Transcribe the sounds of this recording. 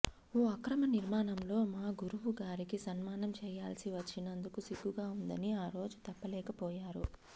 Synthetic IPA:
oːɐkɾɐmɐniɾmaːnɐmlo̞ːmaːɡuɾuʋuɡaːɾikisɐnmaːnɐmt͡ʃɛːjaːlsiʋɐt͡ʃːinɐnd̪ukusiɡːuɡaːund̪ɐniaːɾo̞ːd͡ʒut̪ɐpːɐlɛːkɐpɔːjaːɾṵ

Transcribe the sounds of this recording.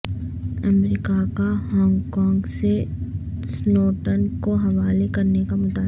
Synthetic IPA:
ɐmɾikakaɦɔ̃ːŋɡkɔ̃ːŋɡse | snoːʈənkoɦɐʋaːlekɐɾnekamʊt̪aːb

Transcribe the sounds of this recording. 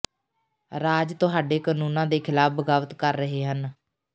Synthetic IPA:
ɾaːd͡ʒt̪ʊɦaːɖeːkaːnuːnãːd̪eːkʰɪlaːp̚bəɡaːʋət̪kəɾːəɦeːɦən

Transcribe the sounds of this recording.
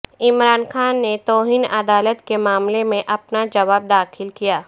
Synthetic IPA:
ɪmɾaːnxaːnːet̪ɔːɦiːnɐd̪aːlət̪kemaːmlemẽʔɐpnad͡ʒɐʋaːb̚d̪aːxʰɪlkijaː

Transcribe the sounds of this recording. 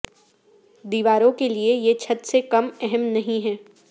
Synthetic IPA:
d̪iːʋaːɾõkeliejet͡ʃʰɐt̪sekɐmɛɦɛmnɐɦĩɦɛː

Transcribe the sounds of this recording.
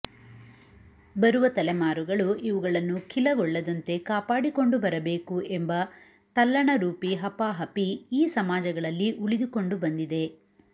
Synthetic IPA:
bɐɾuʋɐt̪ɐlɛmaːɾuɡɐɭuʔiʋuɡɐɭɐnːukʰilɐɡɔɭːɐd̪ɐnt̪e̞kaːpaːɽiko̞ɳɖubɐɾɐbe̞ːkuembɐ | t̪ɐlːɐɳɐɾuːpiɦɐpaːɦɐpiːsɐmaːd͡ʒɐɡɐɭɐlːiʔuɭid̪uko̞ɳɖubɐnd̪id̪e̞

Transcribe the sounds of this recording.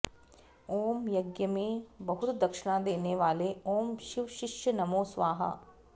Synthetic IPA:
oːmjɐɡjəmẽbɐɦʊt̪d̪ɐkʃɪɽ̃ãːd̪eːneʋaːleoːmʃiʋʃɪʃjənɐmoːsʋaːɦɐ̰

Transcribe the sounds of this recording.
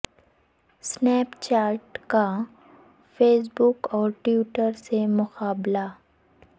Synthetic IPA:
snɛːpt͡ʃaːɾʈka | fʰeːs̬bʊkɔːɾʈwjuːʈəɾsemʊqaːbla

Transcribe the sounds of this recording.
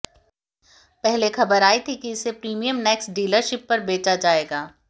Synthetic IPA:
pɛɦlexɐbəɾaːit̪ʰikiɪsepɾiːmijəmnɛːksɖiːləɾʃɪpːɐɾbeːt͡ʃad͡ʒaːeːɡaː

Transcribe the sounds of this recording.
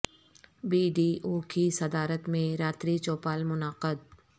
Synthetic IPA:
biːɖiːʔoːkisɐd̪aːɾət̪mẽɾaːt̪ɾit͡ʃoːpaːlmʊnaːqəd̪̚

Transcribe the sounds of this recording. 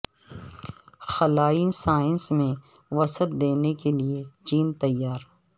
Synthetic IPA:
xɐlaːisaːɪnsmẽ | ʋɐsət̪̚d̪eːnekeliet͡ʃiːnt̪ɐjːaːɾ

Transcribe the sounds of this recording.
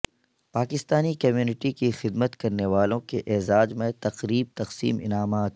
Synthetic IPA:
paːkɪst̪aːnikɐmjuːnɪʈikixɪd̪mət̪kɐɾneʋaːlõkeʔɛɦzaːd͡ʒmẽt̪ɐqɾiːb̚t̪ɐqsḭːmɪ̰naːmaːt̪

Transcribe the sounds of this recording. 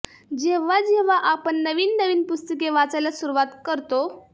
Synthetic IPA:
d͡ʑeʋ̤ad͡ʑeʋ̤aʔapəɳːəʋiːnːəʋiːnpust̪əkeʋat͡sajlasuɾuʋat̪kəɾt̪o

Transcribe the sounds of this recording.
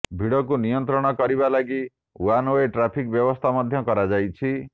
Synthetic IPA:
bʱiɽɔkunijɔnt̪ɾɔɽ̃ɔkɔɾibalaɡi | wanoeʈɾapʰikbjɔbɔst̪ʰamɔd̪ʱjɔkɔɾad͡ʒajt͡ʃʰi

